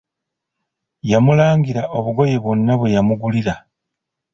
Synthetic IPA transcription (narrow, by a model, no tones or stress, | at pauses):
jamulaːŋɡiɾaʔo̞βuɡo̞je̞βwo̞nːaβwe̞jamuɡuliɾa